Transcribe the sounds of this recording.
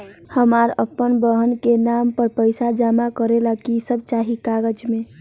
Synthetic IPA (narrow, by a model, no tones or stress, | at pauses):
həmaɾə̰pːənbəɦənkenaːmpəɾpəɪsad͡ʒaːmakəɾelakisəb̚t͡ʃaːɦikaɡəd͡ʒmẽ